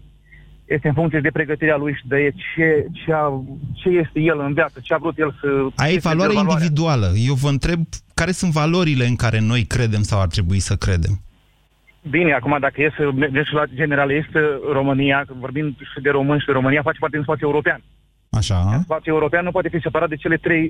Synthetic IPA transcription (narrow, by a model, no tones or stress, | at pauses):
jest̪eɨnfuŋkt̪ie̞d̪e̞pɾeɡət̪iɾealujʃid̪əjet͡ʃet͡ʃeat͡ʃe̞je̞st̪e̞je̞lɨnvjat̪sət͡ʃeavɾut̪jelsəajejvalwaɾeaind̪ivid̪ualəje̞wvəɨnt̪ɾe̞b̚kaɾe̞sunt̪valo̞ɾile̞ɨŋkaɾʔe̞no̞jkɾe̞d̪e̞msawart̪ɾe̞buisəkɾe̞̰d̪e̞̰m | bine̞akumad̪akəjesmed͡ʒemʃilad͡ʒe̞ne̞ɾaljest̪ɾo̞mɨnijavo̞rbind̪ʃid̪e̞ɾo̞mɨnʃid̪eɾo̞mɨnijafat͡ʃepaɾrted̪inspat̪sʲueuɾo̞pean | aʃaspat̪sʲueuɾo̞peanːupwat̪efise̞paɾat̪̚d̪et͡ʃele̞t̪ɾe̞j